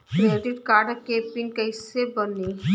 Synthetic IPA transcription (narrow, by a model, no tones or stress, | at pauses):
kɾeːɖɪʈkaːɾɖkeːpɪnkɐɪsebɐni